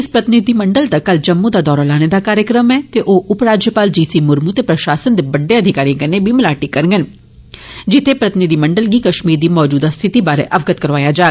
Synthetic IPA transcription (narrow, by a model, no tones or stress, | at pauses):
ɪspɾət̪ɪnɪd̪iməɳɖəlt̪akɐld͡ʒɐmːũd̪aːd̪ɔːɾalaːñed̪aːkaːɾjəkɾəmɛːt̪eʔoːʔʊpɾaːd͡ʒjəpaːld͡ʒiːsiːmʊɾmut̪eːpɾɐʃaːsənd̪eːbəɖːeɐd̪ʱɪkaːɾĩɡənebʱimɪlaːʈikəɾŋɡən | d͡ʒɪt̪ʰepɾət̪ɪnɪd̪iːməɳɖəlɡiːkɐʃmiːɾd̪iːmɔːd͡ʒuːd̪ast̪ʰɪt̪ibaːɾḛʔɐʋɡət̪kəɾʋaːjad͡ʒaː